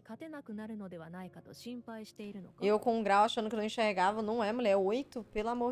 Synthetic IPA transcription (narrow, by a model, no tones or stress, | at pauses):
kat̪e̞nakɯ̟naɾɯ̟no̞d̪e̞βanaikat̪o̞ɕĩmpaiɕi̥t̪e̞iɾɯ̟no̰ewkõũɡɾawaʃɐ̃nd̪ʊkɪnɐ̃ẽʃeɾɡavɐnɐ̃w̃ɛmuʎʲɛojt̪ʊpelamo